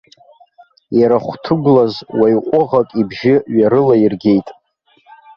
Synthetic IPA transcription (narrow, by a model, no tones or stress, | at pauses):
jaɾaχʷtʰɨɡʷlazwajqʷʼʊʁakʼibʒɪɥaɾɨlairɡʲe̞jtʼ